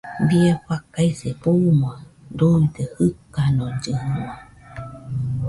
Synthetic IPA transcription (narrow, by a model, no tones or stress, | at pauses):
bieɸakaisepumoadoid̪ehɨkanõd͡ʒɨhma